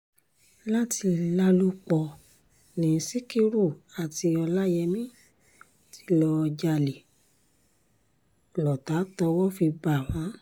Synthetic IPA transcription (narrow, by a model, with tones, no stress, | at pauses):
la˦ti˧la˦lu˦k͡pɔ˧ | nĩ˨˦si˦ki˧ɾu˦˨a˨ti˧ɔ˧la˦jɛ˧mĩ˦ | ti˦lɔ˧d͡ʒa˧le˨ | lɔ˨ta˨˦tɔ˧wɔ˦fi˧ba˨w̃ã˨˦